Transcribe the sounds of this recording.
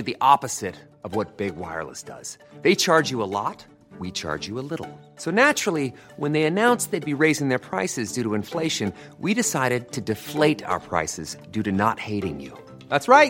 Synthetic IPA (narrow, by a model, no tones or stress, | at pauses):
ɨd̪ðiʔɑpɨz̥ɪɾ | ʌvwʌt̚b̥ɪɡ̚wa̰ɪə̰˞lˠə̰sd̥ʌ̰z̥ | ðeɪt͡ʃʰɑɹd͡ʒjɨəlɔ̰t̚ | wit͡ʃʰɑ̰ɹd͡ʒɨəlɪɾl̩ˠ | soʊnæt͡ʃɹ̥l̩ˠi | wə̃nðeɪɨnãʊ̃nsðeɪd̚biɹeɪzɪ̃ŋðə˞pʰɹ̥aɪsɨzdʉɾəɨ̃ɱfleɪʃɨ̃n | wiɾɨsaɪɾɨd̚tʰɨdɨfleɪɾa̰ʊə̰˞pʰɹ̥a̰ɪsɨzdʉɾɨnət̚heɪɾɪ̃ŋjʉ̰ | ðætsɹaɪt̚